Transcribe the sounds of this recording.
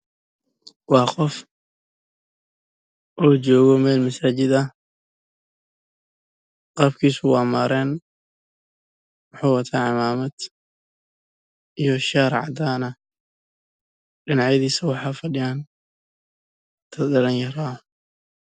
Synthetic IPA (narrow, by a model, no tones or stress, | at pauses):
wɑːqɔf | ʔɔːt͡ʃɔːɣɔmɛːlmɐsaːt͡ʃɪd̪ɐ | qɑːbkʰiːsʊwɑːmaːɾɛːn | wɑħɑːwɐt̪ʰaːʕɪmaːmɐd̪̥ | ʔijɔʃaːɾʕɑ̰d̪aːnɐ | ɗɪnɑʕjɐðiːsɐwɑħɑːfɐɖɪjan | t̪ʰɐdɐlɐnjɐɾaː